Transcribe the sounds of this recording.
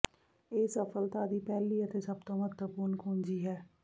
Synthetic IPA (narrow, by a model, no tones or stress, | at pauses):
eːsəfəlt̪aːd̪iːpɛːliːət̪esəbt̪õːmət̪əpuːnkʰũːnd͡ʒiːɦɛː